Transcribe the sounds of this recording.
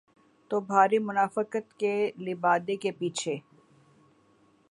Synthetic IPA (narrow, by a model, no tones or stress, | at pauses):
t̪obʱaːɾimʊnaːfəkət̪kelɪbaːd̪ekepiːt͡ʃʰe